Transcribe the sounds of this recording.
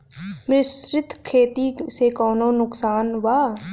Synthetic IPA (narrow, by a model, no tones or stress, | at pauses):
mɾɪsɾɪt̪ʰkʰeːt̪isekɔːnõːnʊksaːnʋaː